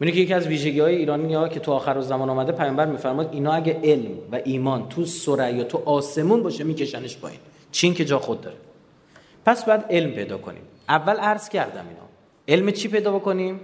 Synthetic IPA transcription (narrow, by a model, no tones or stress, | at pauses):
minicʰejecʰiæzviːʒe̞ɟiɒːjeiːɾɒːniɒcʰe̞t̪ʰuɒːxæɾozæmɒːnɔːmæd̪epʰæjɒːmbæɾmiːfæɾmɔjid̪iːnɒːæɟæʔe̞lmvæʔiːmɒːnt̪ʰusoɾæjɒt̪ʰuʔɒːse̞muːnbɒːʃemiːcʰe̞ʃæneʃpʰɒ̰ːḭːn | t͡ʃʰincʰe̞d͡ʒɒːxod̪̚ːɒ̰ːɾe | pʰæsbɒːjæd̪e̞lmpʰe̞jd̪ɒ̰ːkʰo̰nḭm | ʔævːælæɾz̥cʰæɾd̪æ̰mḭːnɒ̰ː | e̞lmet͡ʃʰipe̞jd̪ɒːbe̞ko̞nim